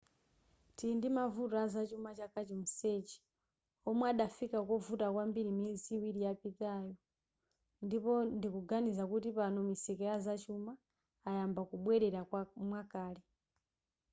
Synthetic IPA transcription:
tindimavutazat͡ʃumat͡ʃakat͡ʃimuset͡ʃi̥ | ɔmwaɗafikakɔvutakwambiɾimiziwiɾijapitajɔ | ndipɔndikuɡanizakutipanɔmisɛkɛazat͡ʃumaː | jambakuɓwɛɾɛɾamwakaːlɛ

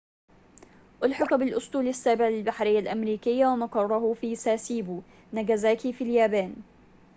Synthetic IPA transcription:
ʔɑlħɑqbɪlʔʊst̪ˤuːlasːaːbɪʕlɪlbaħɾɪjːalʔamɾiːkɪjːawamɑqɑrˤːɑɦʊfiːsaːsiːbu | naɡazaːkifiljaːbaːn

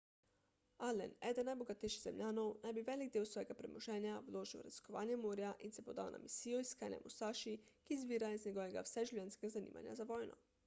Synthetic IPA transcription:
alɛ̰nɛ̰ːd̪ənːajbɔɡat̪ɛjʃiɣz̥ɛmlʲjaːnɔwnajbiʋɛːliɡ̚d̪eːwsʋɔːjɛɡapɾɛmɔʒɛːnjawloːʒiwɾa̰zi̥skɔʋa̰ːnjɛmoːɾjaʔinsɛpɔd̪aːwnʔa̰misiːjɔiskaːnjɛ̰mʔust̪aːʃikizbiːɾaizɲɛɡɔːʋɛɡa̰wsɛʒuwlʲɛnskɛɡazanḭːma̰nja̰zaʋɔːjnɔ̰

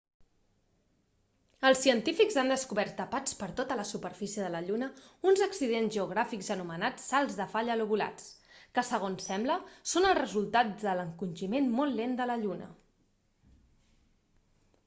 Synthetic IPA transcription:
əlˠsiənt̪ifikzand̪əskuβɛɾt̪ːəpat͡spəɾt̪ot̪ələsupəɾfisijəðələʎunəunzəksiðenzʒəuɣ̞ɾafikzənumənat͡sːalˠzðəfaʎəluβula̰t͡s | kəsəɣ̞onsɛmbləsonəlˠrəzulˠt̪aðələŋkunʲʒimenmolˠːend̪ələʎunə̰

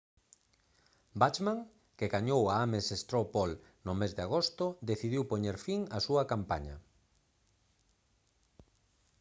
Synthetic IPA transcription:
bat͡ʃmaŋ | kɪɣaɲowaamesest̪ɾopol | nʊmezðɪaɣost̪ʊd̪eθiðiwpoɲeɾfiŋasuɐkampa̰ɲɐ̰

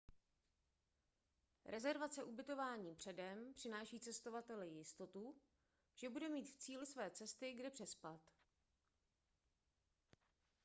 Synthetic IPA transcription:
ɾʔɛzɛɾvat͡sɛʔubɪt̪o̞vaːɲiːpr̝̥ɛdɛmpr̥ɪnaːʃiːt͡sɛst̪o̞vat̪ɛlɪjɪst̪o̞t̪u | ʒ̥ɛbudɛmiːt̪ft͡siːlɪsvɛːt͡sɛst̪ɪɡdɛpr̝̥ɛspat̪

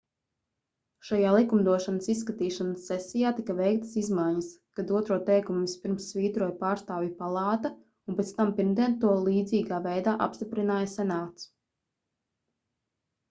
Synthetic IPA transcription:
ʃajaːlˠikumd̪uɔʃanəsisːkat̪iːʃanəsːɛsijaːt̪ikɐvɛjk̚t̪ə̥sizmajɲəskad̪uɔt̪ɾuɔt̪ɛjkumispiɾmsːviːt̪ɾuɔjpaːɾst̪aːvjipalˠɑːt̪a | unpʲɛt̪st̪ampiɾmd̪iɛnt̪uɔlˠiːd̪ziːɡaːvɛjd̪aːʔa̰pst̪ipɾinaːjasɛnaːt̪s

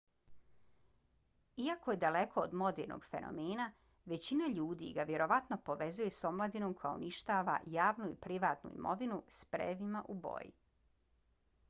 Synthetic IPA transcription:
iakoje̞d̪ale̞kʰo̞ːd̪mo̞d̪ḛːɾno̰ɡfe̞̰no̰meːna | ʋe̞t͡ɕinaʎuːd̪ḭɡaʋje̞ɾo̞ʋat̪no̞po̞ʋe̞zuje̞so̞mlˠad̪ino̞ːmko̞ja̰ṵniʃt̪aːʋa̰jaːʋnuipɾiʋaːt̪nṵḭmo̞̰ʋinuspɾḛʋimaʔubo̰jḭ

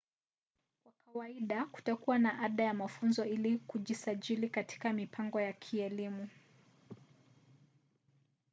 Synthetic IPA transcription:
kwakawaiɗaku̥takuwanaʔaɗajamafunzɔilikuʄisaʄilikatʰi̥kamipʰaŋɡɔjakʰiɛlimu

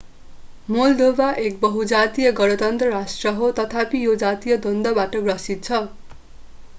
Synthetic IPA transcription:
mold̪obaʔek̚bʌɦud͡zat̪ijʌɡʌɽʌt̪ʌnt̪rʌɾasʈrʌɦot̪ʌt̪ʰapijod͡zat̪ijʌd̪ʌnd̪ʌbaʈʌɡrʌsit̪̚t͡sʰʌ

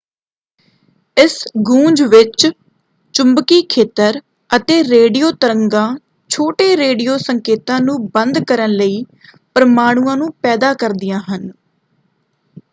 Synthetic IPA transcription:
ɪsɡũːd͡ʒʋɪt͡ʃ | t͡ʃʊmbkiːkʰeːt̪əɾ | ət̪eːɾeːɖijoːt̪əɾəŋɡãː | t͡ʃʰoːʈeːɾeːɖijoːsəŋkeːt̪ãːnũːbənd̪kəɾənləiː | pəɾəmaːɽ̃uːãːnũːpɛːd̪aːkəɾd̪ɪjãːɦən

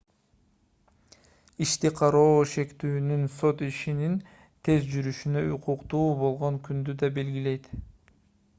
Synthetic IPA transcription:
iʃt̪iqʰɑɾo̞ːʃe̞kt̪yːnynso̞t̪iʃinin | t̪ʰe̞zd͡ʒyɾyʃynøuqʰuqt̪uːbo̞lˠʁo̞ŋkynd̪yd̪ɑbe̞lɡile̞jt̪

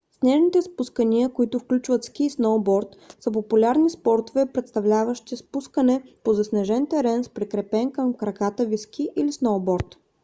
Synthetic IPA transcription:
snɛʒnit̪ɛspuskəniəkoit̪ʊfklʲut͡ʃvət̪sk̟ʲisnowbɔɾt̪səpopulʲaɾnispɔɾt̪ovɛpɾɛt̪st̪ɐvlʲavəʃt̪ispuskənɛpozɐsnɛʒɛnt̪ɛɾɛnspɾɛkɾɛpɛnkəmkɾɐkat̪əvisk̟ʲiʔilisnowbɔɾt̪

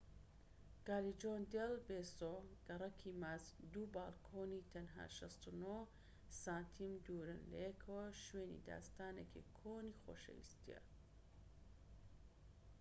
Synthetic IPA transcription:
ɡ̥aːlid͡ʒoːnd̪elbeːsoɡ̥ɐɾˤɐkʰimaːzd̪ubaːlkʰoːnit̪ʰɐnɦa̰ːʃɐst̪uno | saːnt̪ʰimd̪uːɾɨnlɐ̰jekʰɐwɐʃweːnḭd̪a̰ːst̪aːnekʰikʰoːnixoːʃḛwḭst̪ijɐ̰

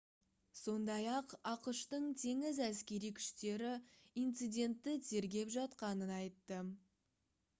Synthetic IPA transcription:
so̞nd̪ɑjɑqɑqəʃt̪əɴt̪ʰe̞ŋɪzæskʲe̞ɾijkʲʰʏ̥ʃt̪e̞ɾɪint̪sɨjd̪ʲe̞nt̪ːɪt̪ʰe̞ɾɡʲe̞pʒɑt̪qɑnənɑjt̪ːə

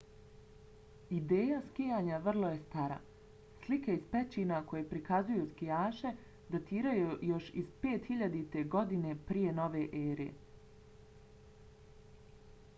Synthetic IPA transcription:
id̪e̞ːjaskijaːɲaʋr̩lˠo̞je̞st̪aɾa̰ | slikaizpet͡ɕinako̞jepɾikazujuskijaːʃe̞ | d̪at̪iːɾajujo̞ʃiz̥pe̞ːt̪hiʎad̪it̪e̞ɡo̞d̪ine̞pɾije̞no̞ʋe̞ʔeːɾiḛ

